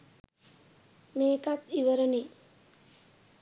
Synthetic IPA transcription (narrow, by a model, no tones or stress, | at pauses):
meːkat̪iʋəɾəni